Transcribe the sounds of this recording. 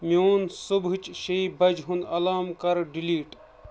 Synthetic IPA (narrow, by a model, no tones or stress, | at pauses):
miunsubʱɨt͡ʃʃeibɐd͡ʒɦunɐlaːmkɐɾɖiliːʈ